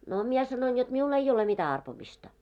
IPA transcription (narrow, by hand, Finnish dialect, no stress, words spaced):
no mie sɑnoin jot miul ei ole mitæ ɑrpomistɑ